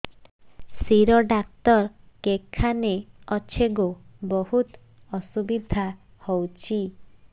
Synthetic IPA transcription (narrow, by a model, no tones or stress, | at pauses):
siɾɔɖak̚t̪ɔɾ | kekʰːaneɔt͡ʃʰeɡobɔhut̪ | ɔsubid̪ʱa | hɔwt͡ʃʰi